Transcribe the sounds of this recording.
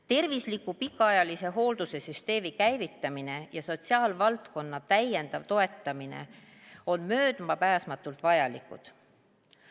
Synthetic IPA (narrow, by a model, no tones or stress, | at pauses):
t̪e̞rvislikupikːˑɑɑjɑlise̞ɦo̞ːld̪̥use̞syst̪e̞ːmikæjvit̪ːˑɑmine̞jɑso̞t̪siɑːlvɑlt̪ko̞nːɑt̪æjːe̞nd̪̥ɑvt̪o̞e̞t̪ːˑɑminḛ | o̞nmø̞ːd̪̥mɑpæːsmɑt̪ːˑult̪vɑjɑlikːˑṵd̪̥